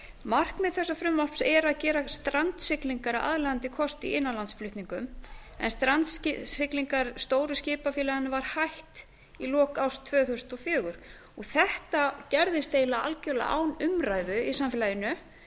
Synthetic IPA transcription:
mar̥kmɛðθɛsːafɾʏmːɔpsɛɾaðcɛːɾast̪ɾant̪sɪkliŋkaɾaʔa̰ðlɛɣant̪ɪkʰɔst̪iɪnːalansflʏht̪niŋkʏmɛ̰nst̪ɾant̪scɪkliŋkaɾ̥st̪oːwɾʏscɪːpafɪːlaɣanʏvaɾ̥hajht̪ | ilɔːkawst̪ʰvœːθusnt̪ɔfjœːɣʏɾ̥ | ɔɣθɛht̪acɛɾðɪst̪eːjlaa̰lcœla̰ʔa̰wnʏmɾaːjðʏisamfɪlajɪnʏ

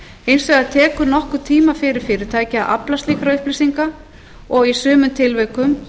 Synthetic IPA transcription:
ejnsvɛɣaðt̪ʰɛːkʏɾnɔhkʏɾt̪ʰiːmafɪɾɪɾ̥fɪɾɪɾ̥t̪ʰaːjcɪaðʔa̰plast̪liːkɾaʏhplisiŋka | ɔɣisʏːmʏmt̪ʰɪlvɛɥkʏm

